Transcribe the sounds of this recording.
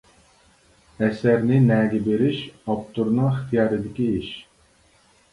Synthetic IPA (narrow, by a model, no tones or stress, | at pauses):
ɛsɛɾnɪnɛːɡʲibeɾiʃɑpt̪ʰuɾnɑχt̪ʰijɑːɾid̪ɪkʲiiʃ